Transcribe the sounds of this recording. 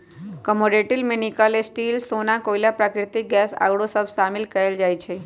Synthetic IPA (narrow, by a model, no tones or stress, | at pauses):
kəmoɖeʈɪlmẽnɪkalesʈiːlsonãkoilapɾakɾɪt̪ik̚ɡɛsa̰ːɽosəbsamɪlkəeld͡ʒaːjt͡ʃʰe